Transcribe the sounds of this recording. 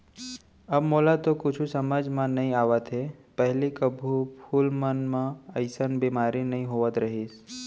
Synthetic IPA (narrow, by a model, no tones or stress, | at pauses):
ɐbmoːlat̪okʊt͡ʃʰusəməd͡ʒmãnɐɦĩaːʋət̪ɦepɛɦlikəbʱupʰuːlmənmãəɪsənbiːmaːɾinɐɦĩɦoːʋət̪ɾɐɦiːs